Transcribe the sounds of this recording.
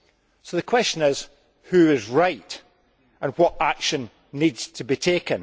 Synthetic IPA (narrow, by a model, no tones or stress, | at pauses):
soðəkʰw̥ɛst͡ʃə̃nɪz̥ | hʉɪzɹaɪʔ | ʔə̃nwɔʔakʃə̃n | nidz̥tʰəbitʰekə̃n